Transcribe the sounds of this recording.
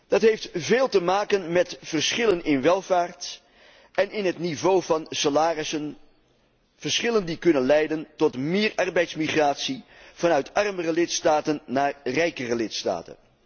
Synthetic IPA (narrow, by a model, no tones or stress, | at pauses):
d̥ɑtɦejftveːlˠtəmaːkənmɛtv̥ərsχɪlənɪnʋɛlˠvaːɹt | ʔɛnɪnɦətnivowvɑnsalaːrɪsən | v̥ərsχɪləndikɵnənlɛjdəntɔtmɪːɹʔɑrbɛjtsmiχraːtsiv̥ɑnœɥtɑrmərəlɪtstaːtənːaːrrɛjkərəlɪtsta̰ːtə̰n